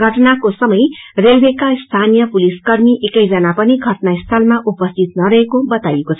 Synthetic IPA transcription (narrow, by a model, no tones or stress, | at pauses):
ɡʱʌʈnakosʌmʌjrelbʱekast̪ʰanijʌpuliskʌrmiʔekʌjd͡zʌnapʌniɡʱʌʈnaist̪ʰʌlmaʔupʌst̪ʰit̪̚nʌɾʌɦekobʌt̪ajekot͡sʰ